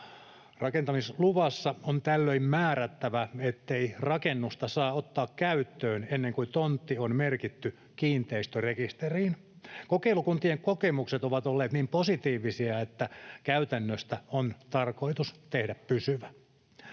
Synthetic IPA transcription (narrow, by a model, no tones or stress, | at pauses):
rɑkent̪ɑmisluʋɑsːɑont̪ælːøimmæːɾæt̪ːæʋæet̪ːeirɑkenːust̪ɑsɑːot̪ːɑːkkæyt̪ːøːnenːeŋkut̪ont̪ːionmerkit̪ːy | kiːnt̪eist̪ørekist̪eriːn | kokeilukunt̪ieŋkokemukset̪oʋɑt̪olːeːt̪niːmposit̪iːʋisiɑet̪ːækæyt̪ænːøst̪æont̪ɑrko̞it̪ust̪ehdæppysyʋæ